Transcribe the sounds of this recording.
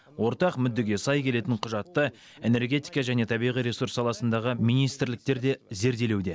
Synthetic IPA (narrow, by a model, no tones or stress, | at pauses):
wʔo̞ɾt̪ɑqmʏd̪ːɪɡʲe̞sɑjkʲʰe̞le̞t̪ɪɴqʰʊʒɑt̪ːə | e̞ne̞rɡʲe̞t̪ijkɑʒæne̞t̪ʰɑbijʁijɾe̞suɾsːɑlˠɑsənd̪ɑʁəmijnijst̪ɪɾlɪk̚t̪e̞ɾd̪e̞ze̞ɾd̪e̞lewd̪e̞